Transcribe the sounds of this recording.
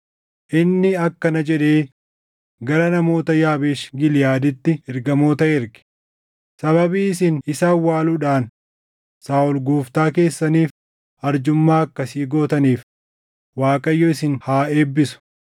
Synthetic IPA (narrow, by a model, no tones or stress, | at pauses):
ʔɪnːɪɐkːɐnɐd͡ʒɛᶑe̞ː | ɡɐɾɐnɐmo̞ːt̪ɐjaːbeːʃɡɪlɪjaːd̪ɪt̪ːɪɪɾɡɐmo̞ːt̪ɐɪɾɡɪ̥ | sɐbɐbiːɪsɪnɪsaːwːaːluːᶑaːn | saːʊlɡuːft̪aːke̞ːsːɐniːf | ɐɾd͡ʒʊmːaːɐkːɐsiːɡo̞ːt̪ɐniːf | waːkʼɐjːɔɪsɪnhaːe̞ːbːɪsʊ̥